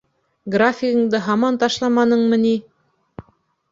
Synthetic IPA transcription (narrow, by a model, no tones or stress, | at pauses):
ɡrafʲɪɣɤ̆ŋd̪ɤɦɑmɑnt̪ɑʃlˠɑmɑnɤɴmɤ̆ni